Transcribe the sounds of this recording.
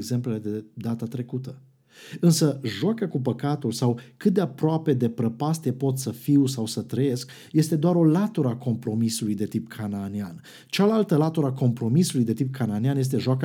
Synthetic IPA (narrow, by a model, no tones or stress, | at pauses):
ɡze̞mple̞le̞d̪e̞d̪at̪at̪ɾe̞kut̪ə | ɨnsəʒoakəkupəkat̪ulsawkɨt̪̚d̪e̞apɾoape̞d̪e̞pɾəpast̪e̞po̞t̪səfiwsawsət̪ɾəje̞sk | je̞st̪e̞d̪oaɾo̞lat̪uɾəako̞mpɾo̞misulujd̪e̞t̪ipkʰanaːnian | t͡ʃalalt̪əlat̪uɾako̞mpɾo̞misulujd̪e̞t̪ip̚kʰananianje̞s̬t̪e̞ʒoakə